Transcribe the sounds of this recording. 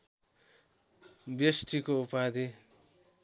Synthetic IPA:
bjesʈikoupad̪i

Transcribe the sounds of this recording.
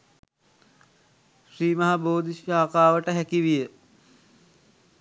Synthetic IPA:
ʃriːmɐɦaboːd̪iʃjaːkaːʋəʈəɦækiʋijə

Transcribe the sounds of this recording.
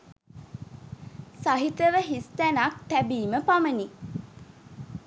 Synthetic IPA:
saɦit̪əʋəɦist̪ænak̚t̪æbiːməpaməni

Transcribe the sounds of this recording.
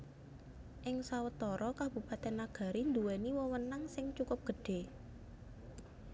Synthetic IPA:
ʔɪŋsawət̪ɔɾɔkab̥ṳpat̪ɛnːaɡ̥a̤ɾind̪uweniwɔwənaŋsɪŋt͡ʃukʊp̚ɡ̥ə̤ɖ̥e̤

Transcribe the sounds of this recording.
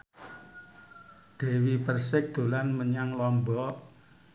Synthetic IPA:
d̪̥e̤wipərsɪk̚d̪̥o̤lanməɲaŋlɔmbɔ

